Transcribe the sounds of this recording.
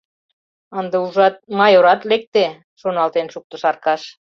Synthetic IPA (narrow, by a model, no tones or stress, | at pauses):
ənd̪euʒɑt̪̚mɑjoɾɑt̪lek̚t̪e | ʃonɑlt̪enʃuk̚t̪ŏʃɑrkɑʃ